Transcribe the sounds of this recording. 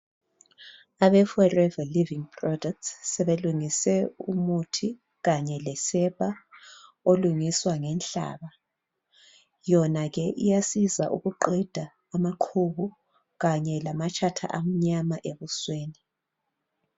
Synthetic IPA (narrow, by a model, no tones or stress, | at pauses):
aβɛfɔrɛvaliviŋpʰrɔdɛk̚tssɛβeluŋisɛṵmutʰi | ɣaɲɛlɛsɛpʼa | oluŋiswaŋɛnɬa̰ːβa | jɔnaɣɛʔijasizaʔṵɣuǃɛd̥ʱaː | maǃʰuβu | ɣaɲɛlamat͡ʃʰʼatʰa̰ʔam̩ɲamaʔeβusweːni